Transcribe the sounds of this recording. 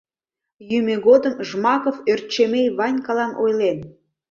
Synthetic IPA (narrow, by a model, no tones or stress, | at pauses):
jymeɣod̪əmʒmɑkoført̪̚t͡ɕemejβɑnʲkɑlɑnʔojlen